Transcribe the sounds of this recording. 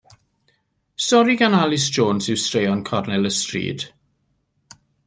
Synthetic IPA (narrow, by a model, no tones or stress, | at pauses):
sɔɾiɡanalɪsd͡ʒoːnsɪwstrejɔnkʰɔrnɛləstrḭːd̥